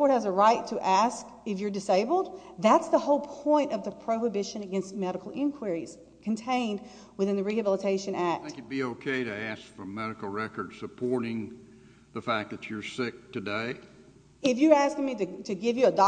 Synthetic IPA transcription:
ɔɹt̚hɨzəɹaɪtʰɨʔæsk | ɨfjə˞dɨseɪbl̩ˠd̪̚ðætsðəhoʊlˠpʰɔ̃ɪ̃ntʌvðɨpʰɹ̥oʊhɨbɪʃɨ̃nɨɡɛ̃nst̚mɛɾɨkl̩ˠɪ̃nkʰw̥ə˞iz̥ | kʰɨ̃n̩tʰẽɪ̃nd̚ | wɨθɪ̃nðɨɹihɨbɪlˠətʰeɪʃɨ̃næk̚tkɨbioʊkʰeɪɾɨæskfʌ̃mɛɾɨkl̩ˠɹɛkə˞d̥sɨpʰɔɹɾɪ̃ŋ | ðəfæk̚ðɨt͡ʃə˞sɪk̚tɨdeɪ | ɪfjə˞æskɪ̃ŋmiɾɨɾɨɡɪvjɨːdɑ

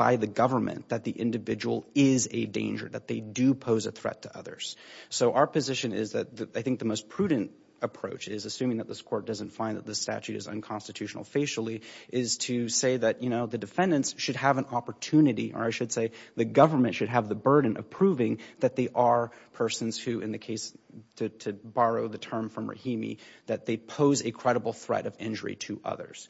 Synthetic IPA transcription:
b̥a̰ɪðɨɡʌvə˞mɨ̰̃nðɨt̪̚ðiʔɪ̰̃ndɨvɪd͡ʒəwl̩ˠɪzɨdḛ̃ɪ̃nd͡ʒə̰˞ðɨ̰t̪̚ðeɪdɨpʰoʊzɨ̰θɹɛ̰tʰɨʔʌ̰ðə̰˞z̥soʊʔaʊə˞pɨzɪʃɨ̃nɪ̰zðɨt̪̚ðɨaɪθɪ̃ŋk̚ðɨmoʊspʰɹ̥ʉdⁿn̩t | əpʰɹ̥oʊt͡ʃɪzɨsʉ̃mɪ̃ŋðɨt̪̚ðɪskʰɔɹt̚d̥ʌz̃n̩tfãɪ̃nðət̪̚ðɨstæ̰t͡ʃʉɾɨ̰zə̰̃nkʰɑ̃nstɨtʰʉʃn̩l̩ˠfeɪʃl̩ˠiʔɪz̥tʰɨseɪðɨtjɨnoʊðɨdɨfɛ̃ndɨ̃ntsʃɨd̚əvə̃nɑpə˞tʰʉnɨɾiʔə̰˞aɪʃɨd̥seɪðɨɡʌvə˞mɨ̃ntʃɨd̚ɨvðɨbɜ˞dⁿn̩ʔʌ̰v̥pʰɹ̥uvɪ̃ŋðɨt̪̚ðeɪʔə˞pʰɜ˞sɨ̃n̩z̥hʉɨ̃nðɨkʰeɪstʰɨtʰɨbɑɹoʊðɨtʰɜ̃˞ɱfɹʌ̃mɹɨ̰hĩmḭðɨt̪̚ðeɪpʰoʊzɨkʰɹ̥ɛɾəbl̩ˠθɹɛ̰ɾʌvɪ̰̃nd͡ʒə̰˞ḭɾɨʔʌ̰ðə̰˞z̥

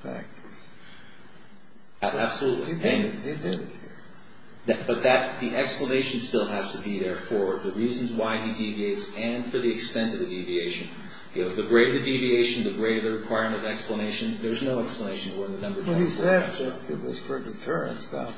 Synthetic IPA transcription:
fæ̰k̚tə̥˞ | æb̥səluʔˡlḭɨ̃nidɪɾt̚hiɹ | b̥ʌt̪̚ðɨt̪̚ðiʔɛkspləneɪʃn̩stɪlˠæz̥tɨbiðə˞fə˞ðɨɹiz̃n̩zwaɪidivieɪtsɨ̃n̥fə˞ðiɨkstɛ̃ntʌvðɨdivieɪʃɨ̃n | oðɨɡɹeɪɾə˞ðɨdivieɪʃn̩ðɨɡɹeɪɾə˞ðɨɹɨkʰw̥aɪəɹmɨ̃ñʌvnɛkspləneɪʃɨ̃nðə˞znoʊɛkspləneɪʃn̩wə˞ɨ̃nðɨnʌ̃mbə˞ʌv̥d͡ʒiɛɨ | ɪt̚wʌz̥fə˞ðɨtʰɜ˞ɨ̰̃nstʌ̰

